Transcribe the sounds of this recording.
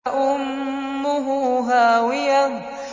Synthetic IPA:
ʔʊmːʊɦʊɦaːwɪja

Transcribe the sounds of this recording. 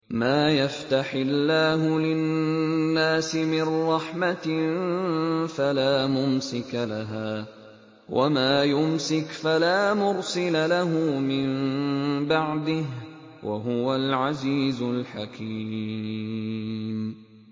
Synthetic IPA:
maːjaft̪aħɪlːaːɦʊlɪnːaːsɪmɪnɾˤɑħmat̪ | falaːmʊmsɪkalaɦaː | wʔa̰maːjʊmsɪkfalaːmʊɾsɪlalaɦʊmɪm | baʕd̪ɪh | wʔa̰ɦʊwalʕaziːzʊlħakʰiː | m

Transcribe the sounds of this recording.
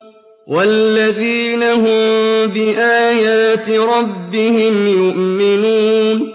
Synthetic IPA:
wʔalːaðiːnaɦʊmbɪʔaːjaːt̪ɪɾˤɑbːɪhɪmjʊʔmɪnuːn

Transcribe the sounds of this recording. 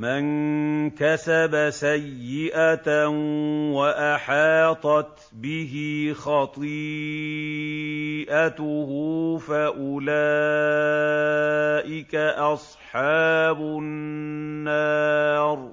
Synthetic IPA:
mankasabasajːɪʔat̪ | waʔɑħɑːt̪ˤɑt̪ | bɪɦɪxɑt̪ˤiː | ʔat̪ʊhuːfaʔʊlaː | ʔɪkaʔɑsˤħɑːbʊː | ɑːɾˤ

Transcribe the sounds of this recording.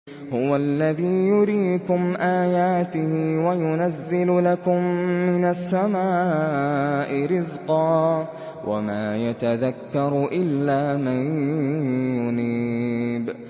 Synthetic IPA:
hʊwalːaðiːjʊɾiːkʊmʔaːjaːt̪ɪhiwajʊnazːɪllakʊmːɪnasːamaː | ʔɪɾɪzqɑː | wʔa̰maːjat̪aðakːɑɾˤʔɪlːaːman | jʊniːb

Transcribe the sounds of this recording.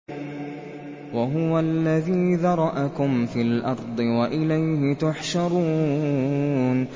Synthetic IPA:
waɦʊwalːaðiːðɑɾˤɑʔakʊmfiːlʔɑɾˤd̪ˤɨwaʔɪlajhɪt̪aħʃɑɾˤuː | n

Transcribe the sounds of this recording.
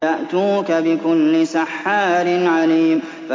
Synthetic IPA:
aʔt̪uːkabɪkʊlːɪsaħːaːɾɪnʕaliːm | fa

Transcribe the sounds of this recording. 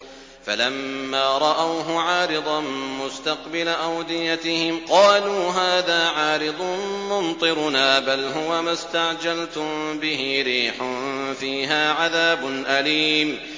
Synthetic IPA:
falamːaːɾˤɑʔawɦʊʕɑːɾɪd̪ˤɑmʊst̪aqbɪlaʔawd̪ɪjat̪ɪhɪmqɑːluːɦaːðaːʕaːɾɪd̪ˤʊmʊnt̪ˤɨɾʊnaːbalɦʊwamast̪aʕd͡ʒalt̪ʊmbɪɦɪɾiːħʊnfiːɦaːʕaðaːbʊnʔaliːm

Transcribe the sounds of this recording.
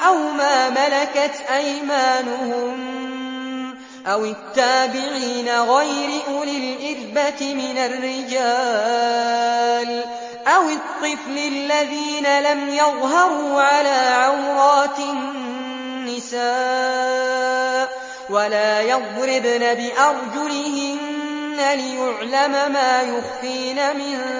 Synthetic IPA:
ʔawmaːmalakat̪ʔajmaːnʊhʊm | ʔawɪt̪ːaːbɪʕiːnaɣajɾɪʔʊlɪlʔɪɾbat̪ɪmɪnarːɪd͡ʒaː | l | ʔawɪt̪ˤːɨflɪlːaðiːnalamjɑðˤɦɑɾˤuːʕalaːʕawɾˤɑːt̪ɪnː | ɪsaː | walaːjɑðˤɾɪdnabɪʔɑɾˤd͡ʒʊlɪhɪnː | alɪjʊʕlamamaːjʊxfiːnamɪn

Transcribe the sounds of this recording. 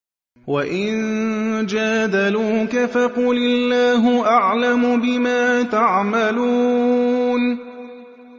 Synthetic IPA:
waʔɪnd͡ʒaːd̪aluːkafaquːlɪlːaːɦʊʔaʕlamʊbɪmaːt̪aʕmaluː | n

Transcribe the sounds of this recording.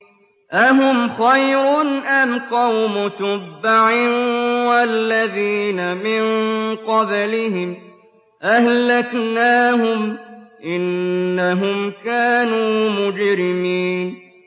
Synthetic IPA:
ʔaɦʊmxajɾʊnʔamqɑwmʊt̪ʊbːaʕɪnwalːaðiːnamɪnqɑblɪhɪm | ʔahlaknaːɦʊmʔɪnːaɦʊmkaːnuːmʊd͡ʒɾɪmiːn

